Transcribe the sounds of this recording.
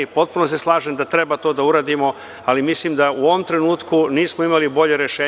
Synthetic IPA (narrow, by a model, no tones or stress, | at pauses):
po̞t̪̚puno̞s̬e̞slˠaːʒemd̪at̪ɾe̞bat̪o̞ːd̪auɾaːd̪imo̞ | alimisliːmd̪auo̞ʋo̞mt̪ɾenuːt̪kuniːsmoimalibo̞ʎe̞ɾeʃeː